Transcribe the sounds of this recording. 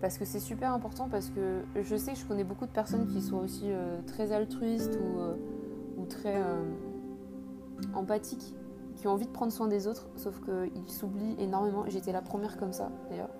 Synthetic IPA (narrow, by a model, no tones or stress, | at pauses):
paʁsə̥kəsɛsypɛʁɛ̃pɔʁt̪ɑ̃p̬aʁsə̥kəʒəsɛkəʒəkɔnɛbokud̪əpɛʁsɔnkʲiswaosiøt̪χɛzalt̪χɥist̪uø | ut̪χɛøm | ɑ̃pat̪ʰik | kʲiɔ̃ɑ̃vid̪əpχɑ̃d̪ʁswɛ̃d̪ezot̪χsofkəilsubliʔenɔʁmemɑ̃ʒet̪ɛlapχəmjɛʁkɔmsa̰d̪̥ajœ̰ːʁ